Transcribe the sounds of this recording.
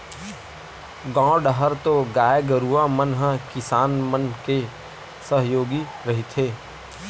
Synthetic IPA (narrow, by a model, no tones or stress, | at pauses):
ɡãːɖɦəɾt̪oɡaːjɡəɾuamənɦəkɪsaːnmənke | səɦjoːɡi | ɾɐɦit̪ʰeː